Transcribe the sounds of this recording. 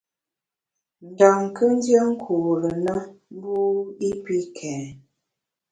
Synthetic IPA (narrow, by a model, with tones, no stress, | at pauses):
n˨da˨ŋ˨kə˦n˦dja˦ŋ̩˦kʰu˨ɾə˨na˦m˦bu˦i˦pi˦kʰɛː˨˦